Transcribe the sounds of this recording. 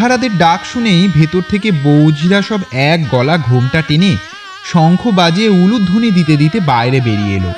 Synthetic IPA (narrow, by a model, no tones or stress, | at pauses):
aɾad̪eɾɖakʃunejbʱet̪oɾt̪ʰekebowd͡ʑʱɾaʃɔbɛk̚ɡɔlaɡʱomʈaʈene | ʃɔŋkʰobad͡ʑieulut̪ːunid̪it̪ed̪it̪ebaeɾebeɾiḛlo̰